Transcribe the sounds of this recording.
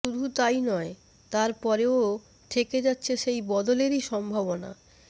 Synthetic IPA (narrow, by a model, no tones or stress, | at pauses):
ud̪ʱut̪ajnɔe | t̪aɾpɔɾeo | ʈ̪ʰeked͡ʑatːɕʰeʃejbɔd̪oleɾiʃɔmbʱabona̰